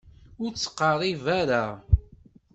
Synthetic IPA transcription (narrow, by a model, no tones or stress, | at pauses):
ʊɾt͡sːə̥qːɑɾˤivæɾa